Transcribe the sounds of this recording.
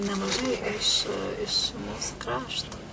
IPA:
nʲɛmɐˈʒɐɪ ɪʃ ɪʃ ˈmuːsʊ ˈkrɑːʃtoː

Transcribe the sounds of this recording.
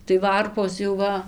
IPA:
tɐɪ ˈʋɐrpoːs jɛʊ ˈʋɐ

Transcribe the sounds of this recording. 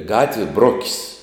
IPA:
ˈɡɑːtʲʋʲiɛ ˈbroːkʲɪsʲ

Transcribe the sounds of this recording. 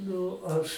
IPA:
ˈnʊ ˈɐʃ

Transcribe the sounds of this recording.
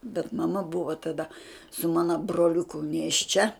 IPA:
bʲɛt mɐˈmɐ bʊʋoː tɐˈdɐ sʊ ˈmɑːnoː broːlʲʊˈkʊ nʲeːʃʲˈt͡ʃʲɛ

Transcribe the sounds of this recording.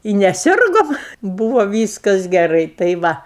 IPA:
ɪ nʲɛˈsʲɪrɡoːm ˈbuːʋoː ˈʋʲiːskɐs ɡʲɛˈrɐɪ tɐɪ ˈʋɐ

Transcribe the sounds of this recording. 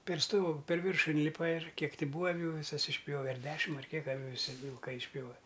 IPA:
pʲɛr ˈstoːɡʊ pʲɛr ˈʋʲɪrʃʊ ɪnʲˈlʲɪpɐ ɪr ˈkʲiɛk ˈtʲɪ ˈbuːɐ ɐˈʋʲuː ʋʲɪˈsɐs ɪʃʲˈpʲjoːʋʲɛ ɐr ˈdʲæːʃʲɪm ɐr ˈkʲiɛk ʋʲɪˈsʲɪ ʋʲɪlˠˈkɐɪ ɪʃʲˈpʲjoːʋʲɛ

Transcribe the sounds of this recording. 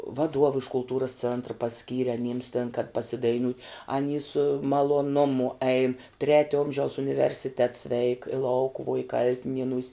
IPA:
ʋɐˈduɔw ɪʃ kʊlˠˈtuːrɐs ˈt͡sʲeːntrɐ pɐˈsʲkʲiːrʲɪ ɐˈnʲiːms tʲeːn kɐt pɐsʲɪdɐɪˈnʲuːtʲ ɐˈnʲiː sʊ mɐlˠoːˈnʊmʊ ɛɪn ˈtʲrʲæːtʲoː ˈoːmʲʒʲɛʊs ʊnʲɪʋʲɛrʲsʲɪˈtʲɛts ʋʲɛɪk ɪ ˈlˠɐʊkʊʋuɔ ɪ ˈkɐlʲtʲɪnʲiɛnuːsʲ

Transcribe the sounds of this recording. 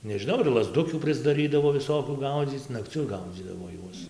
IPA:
nʲɛʒʲɪˈnɐʊ ɪr lˠɐzˈdʊkʲuː pʲrʲɪzdɐˈrʲiːdɐʋoː ʋʲɪˈsoːkʲuː ˈɡɐʊd͡zʲiːt͡s nɐkˈt͡sʲʊ ˈɡɐʊd͡zʲiːdɐʋoː ˈjuɔs

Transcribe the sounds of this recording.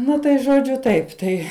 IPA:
ˈnɐ tɐɪ ʒoːˈd͡ʒʲʊ ˈtɐɪp ˈtɐɪ

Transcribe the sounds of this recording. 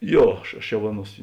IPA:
ˈjoː ˈɐʃ ɐʃ jɛʊ ˈɑːˌnuɔs

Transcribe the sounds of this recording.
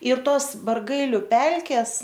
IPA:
ɪr ˈtoːs bɐrˈɡɐɪlʲʊ ˈpʲɛlʲkʲɛs

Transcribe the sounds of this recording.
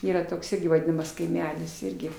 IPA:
ˈiːrɐ ˈtoːks ˈɪrʲɡʲɪ ʋɐˈdʲɪnɐmɐs kɐɪˈmʲæːlʲɪs ˈɪrʲɡʲɪ

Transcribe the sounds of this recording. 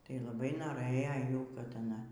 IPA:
tɐɪ lˠɐˈbɐɪ noːˈrɘjoː ˈjuː kɐt ɐˈnɐ

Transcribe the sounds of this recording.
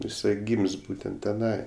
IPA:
jɪˈsɐɪ ˈɡʲiːmʲsʲ ˈbuːtʲɛnt tʲɛˈnɐɪ

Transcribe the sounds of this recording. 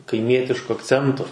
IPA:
kɐɪˈmʲiɛtʲɪʃkʊ ɐkˈt͡sʲɛntʊ

